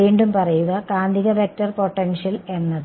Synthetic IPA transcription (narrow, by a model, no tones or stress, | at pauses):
iːɳɖumpɐrɐjuɣɐkaːnd̪iɣɐʋek̚tɐrpo̞ʈːenʂɐle̞nːɐðɨ